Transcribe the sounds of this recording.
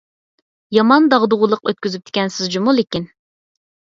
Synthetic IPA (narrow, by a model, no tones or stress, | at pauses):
jɑmɑnd̪ɑʁd̪ʊʁʊlˠəqøt̪̚kʲyzyp̚t̪ʰɪ̥kʲɛnsɪzd͡ʒumulˠekʲin